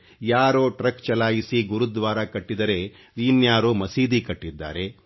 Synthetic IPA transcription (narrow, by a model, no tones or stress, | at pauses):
jaːɾoːʈɾɐkt͡ʃɐlaːjisiɡuɾud̪ʋaːɾɐkɐʈːid̪ɐɾe̞ | ʋ̪iːnjaːɾumɐsiːd̪ikɐʈːid̪ːa̰ːɾe̞